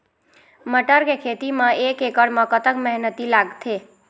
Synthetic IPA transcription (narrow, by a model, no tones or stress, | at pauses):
məʈəɾɡekʰet̪imãekekəɽmə̃kət̪əkmɛɦnət̪ilaɡt̪ʰe